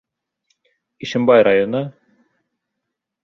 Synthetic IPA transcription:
iʃɘ̆mbajɾajonɤ

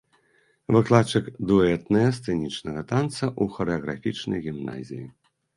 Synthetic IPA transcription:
vɨklˠat͡ʂɨkd̪uɛt̪nɐjɐst̪sɛnʲit͡ʂnɐɣɐt̪ant̪sɐʔuxɐɾɛɐɣɾa̰fʲit͡ʂnɐ̰jɣʲimna̰zʲḭjḭ

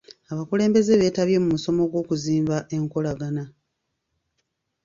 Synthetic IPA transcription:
aβakule̞ːmbe̞ze̞βe̞ːtaβje̞mumuso̞mo̞ɡwo̞ːkuziːmbaʔe̞ŋko̞laɡana

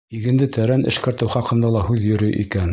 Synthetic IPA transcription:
iɡɘ̆nd̪ɘt̪ʰæɾænɘ̰̆ʃkæ̆ɾt̪ɘwχɑqɤ̆nd̪ɑlˠɑhʉðjɵ̆ɾɵjʔḭkæn

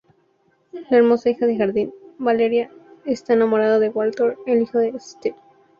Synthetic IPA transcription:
laeɾmo̞saixaðexaɾðinbaleɾjaest̪aenamoɾaðaðewalt̪oɾelixoðeːst̪el

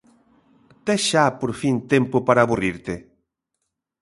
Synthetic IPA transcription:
t̪ɛʃapoɾfint̪ɛmpopaɾaːβuriɾt̪e

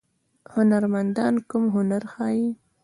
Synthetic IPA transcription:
hʊnaɾmand̪ɑnkʊmɦʊnaɾxɑji

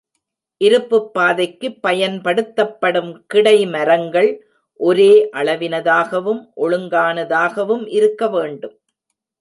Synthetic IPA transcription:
ʔɪɾɯpːɯpːaːðɐɪkːɯpːɐjɐnpɐɽɯt̪ːɐpːɐɽɯmkɪɽɐɪmɐɾɐŋɡɐɭ | ʔɔɾeːʔɐɭɐʋɪnɐðaːɣɐʋɯmʔɔɭɯŋɡaːnɐðaːɣɐʋɯmʔɪɾɯkːɐʋeːɳɖɯm

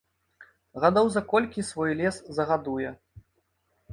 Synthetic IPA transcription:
ɣad̪ɔwzɐkɔlʲkʲisvɔjlʲɛszɐɣad̪ujɛ

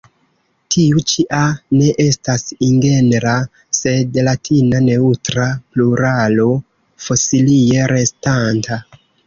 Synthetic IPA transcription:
tʰiut͡ʃiʔane̞ʔe̞stasiŋɡe̞nɾa | se̞dlatʰinane̞utɾapluɾalo̞ | fo̞silie̞ɾʔe̞stanta

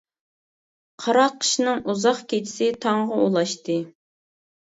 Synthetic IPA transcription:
qʰɑɾɑqʰːə̥ʃnɨŋuzɑχkʲet͡ʃʰɪ̥sɪt̪ʰɑɴʁɑulˠɑʃt̪ɨ

